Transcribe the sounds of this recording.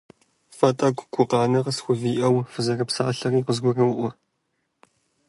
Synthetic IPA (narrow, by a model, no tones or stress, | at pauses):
fɐtʼɐɡʷɡʷʊqɑːnɐʁɐsxʷʊviːʔɐwfɨzɐrɐpsaːɬɐriːqəzɡʷʊrɐwʊʔʷʊ